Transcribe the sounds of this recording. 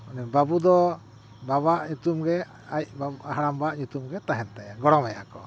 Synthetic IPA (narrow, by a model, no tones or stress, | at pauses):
nɛbabud̪ɔ | baβaʔɲut̪umɡɛ | aiʔbaaɦaɾambaʔɲut̪umɡɛt̪aɦɛnt̪ɛjaɡɔɾɔmɛja̰kɔ